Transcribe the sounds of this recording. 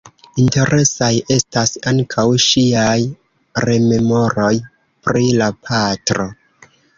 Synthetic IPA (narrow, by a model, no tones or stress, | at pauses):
inte̞ɾʔe̞sajʔe̞stasaŋkʰawʃiaj | ɾe̞me̞mo̞ɾo̞j | pɾilapʰatɾo̞